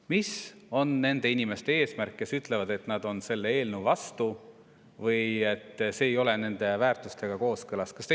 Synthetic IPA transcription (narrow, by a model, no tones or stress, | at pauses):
miso̞nːe̞nd̪̥e̞inime̞st̪e̞e̞ːsmærkːe̞syt̪ˑle̞vɑd̪e̞t̪nɑd̪̥o̞nse̞lːeeːlnuvɑst̪u | vɤje̞t̪ːse̞ːjo̞le̞ne̞nd̪̥e̞væːrt̪ˑust̪e̞ɡ̥ɑko̞ːskɯlɑskɑst̪e